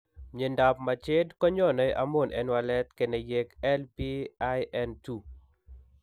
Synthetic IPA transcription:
ɲe˨nda˨pma˨t͡ʃɪ˦dkɔ˦ɲɔ˦˨nɔ˨˦ɛ˦ʔa˦mo˦˨nʔɛ̰˦nwalɛ˦t̪ke˨nɛ˨je˦kɛ˦lpi˦a˦jɛntu˨

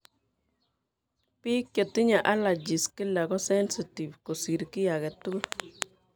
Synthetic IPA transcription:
pi˦kjo˨t̪i˦ɲa˨ʔa˦la˨d͡ʒi˨ski˦la˨ɡɔ˦sɛ˦nsi˨ti˨vko˨si˨ɾkɪ˦ja˨ɡɛ˨t̪u˦l

